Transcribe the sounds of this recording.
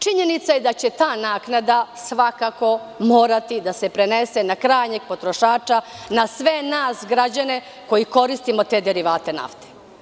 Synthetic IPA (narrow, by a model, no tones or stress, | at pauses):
t͡ʃiɲe̞nit̪sajed̪at͡ɕe̞t̪aːnaːknad̪asʋakako̞moːɾat̪id̪ase̞pɾenesenakɾaːjɲeɡ̚po̞t̪ɾo̞ʃaːt͡ʃanasʋe̞naːsɡɾad͡ʑane̞ | ko̞jiko̞ɾist̪imo̞t̪e̞ːd̪eɾiʋaːt̪e̞na̰ft̪e̥